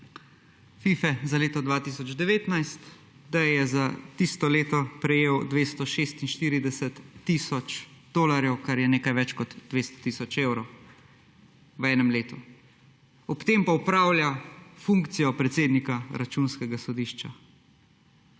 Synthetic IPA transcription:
fiːfɛzaleːt̪ɔd̪ʋaːt̪isɔd͡ʒd̪ɛʋeːt̪najst̪ | d̪ajɛzat̪ist̪ɔleːt̪ɔpɾɛjeːwd̪ʋeːst̪ɔʃeːst̪inʃt̪iːɾid̪ɛsɛt̪ːiːsɔt͡ʃd̪̥oːlaɾjɛwkaɾjɛneːkajʋɛt͡ʃkɔd̪d̪̥ʋeːst̪ɔ̥t̪iːsɔt͡ʃeːwɾɔw | ʋɛːnɛmleːt̪u | ɔpt̪eːmpaupɾaːwljafuŋkt̪sijɔpɾɛt̪seːd̪nikaɾat͡ʃunskɛɡasɔd̪iʃt͡ʃa̰

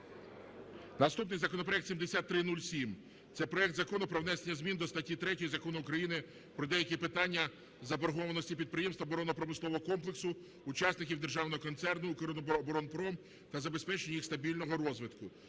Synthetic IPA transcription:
nɐst̪upnɪjzɐkɔnɔpɾɔɛkt̪sʲimd̪esʲat̪ːɾɪnulʲsʲim | t̪sɛpɾɔjɛkt̪zɐkɔnʊpɾɔwnɛsenʲːɐzʲmʲind̪ɔst̪ɐtʲːit̪ɾɛtʲojizɐkɔnʊːkɾɐjinɪ | pɾɔd̪ɛjɐkʲipɪt̪ɑnʲːɐ | zɐbɔrɦɔʋɐnɔsʲtʲipʲid̪̚pɾɪjɛmst̪ʋɐɔbɔɾɔnɔpɾɔmɪslˠɔʋɔɦɔkɔmplˠeksʊː | t͡ʃɑsnɪkʲiwd̪erʒɑwnɔɦɔkɔnt̪sɛrnʊːkɾonɔbɔɾɔnpɾɔm | t̪ɐzɐbespɛt͡ʃenʲɐjixst̪ɐbʲilʲnɔɦɔɾɔzʋɪt̪kʊ

